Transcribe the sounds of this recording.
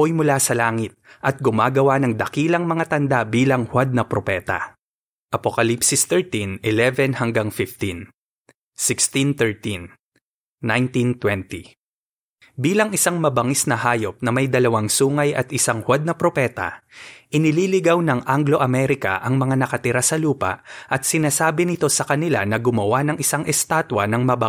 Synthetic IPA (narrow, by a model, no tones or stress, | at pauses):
ojmʊlasɐlaːŋɪt̪̚ʔɐt̪̚ɡʊmaːɡɐwanɐŋd̪ɐkiːlɐŋmɐŋat̪ɐnd̪abiːlɐŋhwad̪̚nɐpɾopɛːt̪ɐ̰ | ʔɐpokɐlipsɪst̪ɛɹt̪inʔɛlɛvɛnhɐŋɡaŋfɪft̪in | sɪkst̪int̪ɛɹt̪inː | ajnt̪int̪wɛnt̪i | biːlɐŋʔɪsaŋmɐbɐŋisnɐhaːjo̞p̚nɐmɐjd̪ɐlɐwaŋsuːŋɐjʔɐ̰t̪ʔɪsaŋhwad̪̚nɐpɾopɛːt̪ɐ̰ʔɪnɪliːlɪɡawnɐŋʔaŋɡlo̞ʔɐmɛɾɪkɐ̰ʔɐŋmɐŋanɐkɐt̪ɪɾasɐluːpɐ̰ʔʔɐt̪̚sɪnaːsaːbɪnɪt̪o̞sɐkɐnɪla̰nɐɡʊmɐwanɐŋʔɪsaŋʔɛst̪aːt̪wɐnɐŋmɐbɐ